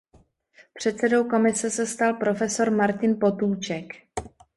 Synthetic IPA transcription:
pr̝̥ɛt̪sɛdo̞wko̞mɪsɛsɛst̪alpɾo̞fɛso̞ɾmaɾcɪnpo̞t̪uːt͡ʃɛk

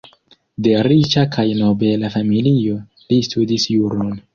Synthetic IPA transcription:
de̞ɾit͡ʃakʰajno̞be̞lafamilio̞ | listudisjuɾon

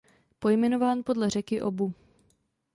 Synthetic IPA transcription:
po̞jmɛno̞vaːnpo̞dlɛr̝ɛkɪʔo̞bu

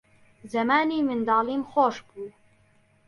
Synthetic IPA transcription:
zɛmaːniːmɪnd̪ɑːliːmxoːʃbuː

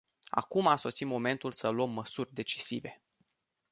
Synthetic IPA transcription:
a̰kumaso̞simo̞me̞nt̪ulsəluəmːəsurʲd̪e̞t͡ʃi̥sive̞

